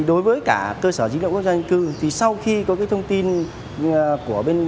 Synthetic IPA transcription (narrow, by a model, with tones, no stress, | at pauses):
ɗo˨˦jvəː˨˦jkaː˧˩kəː˧səː˧˩zi˧˦l̰ə̰˧˨ku˦˥zːa˧ŋ̟kɨ˧t̪ʰi˨˩sa˧wxi˧kɔ˨˦kaː˨˦jt̪ʰə˧ŋ͡mt̪i˧n | ku˧˩əɓe˧n